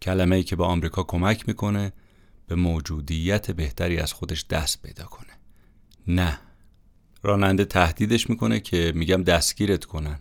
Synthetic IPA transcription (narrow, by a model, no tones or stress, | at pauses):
cʰælæmeiːcʰe̞bɒːɒmɾiːkʰɒːkʰo̞mæcʰmiːkʰo̞ne̞ | b̥e̞moːd͡ʒuːd̪ijːæt̪ʰebe̞ht̪ʰæɾiːæ̰z̥xo̞d̪e̞ʃd̪̥æst̪̚pʰe̞jd̪ɒːkʰo̞̥ne̥ | næ | ɾɒːnænd̪et̪ʰæhd̪iːd̪e̞ʃmiːkʰo̞ne̞cʰe̞miːɟæmd̪æst̪ɡ̥iːɾe̞t̪kʰo̞næn